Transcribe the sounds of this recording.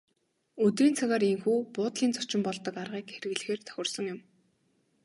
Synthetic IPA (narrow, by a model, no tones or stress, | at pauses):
ɵt̪riːnt͡sʰaɣaːɾeŋxuːpʊːt̪ɮiːnt͡sʰɔ̥t͡ɕɪ̆mpɔɮt̪ɞ̆karʁiːkxeɾɘ̆ɣɮ̆xeːrt̪ʰœ̥xʲɪ̆rsɞ̆ŋjʊm